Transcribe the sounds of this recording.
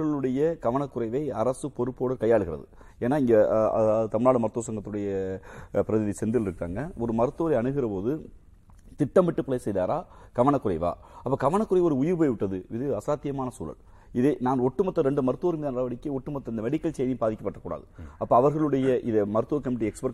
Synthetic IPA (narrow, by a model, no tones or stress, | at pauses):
ɣɐɭɯɽɐjɐkɐʋɐnɐkːɯɾɐɪʋɐɪɐɾɐsɯpɔɾɯpːoːɽɐkɐjːaːɭɯɣɪɾɐ̰ðɯ̰ | eːnːaːɪŋɡɐɐ̰ɯt̪ɐmɪɳnaːɽɯmɐɾɯt̪ːoːsɐŋɡɐt̪ːɯɽɐjɐpɪɾɐðɪðisɛnd̪ɪlɪɾɯkːa̰ːŋɡɐɔɾɯmɐɾɯt̪ːoːɾɐɐɳɯɣɪɾɐpoːðɯ | t̪ɪʈːɐmʋɪʈːɯpɪlɐjsɛjðaːɾaː | kɐʋɐɳɐkːɯɾɐɪʋa̰ː | ɐpːɐːkɐʋɐɳɐkːɯrɐɪɔɾɯʊjɪɾpoːjʋɪʈːɐðɯɪðɯɐsaːt̪ːɪjɐmaːnɐsṵːlɐ̰ɭ | ɪðenaːnɔʈːɯmɐt̪ːɐɾɛɳɖɯmɐɾɯt̪ːoːɾmiːðɐnɐlɐʋɐɽɪkːɯɔʈːɯmɐt̪ːɐɪnd̪ɐmɛɽɪkːɐlt͡ʃɛjnɪbaːðɪkːɐpːɐʈːɐkːuːɽa̰ːðɯɐpːoːɐʋɐɾɣɐɭɯɽɐjɐʔɪðɐmɐɾɯt̪ːɯʋɐɾkɐmɪʈ̬ːɪɛkspɐɾ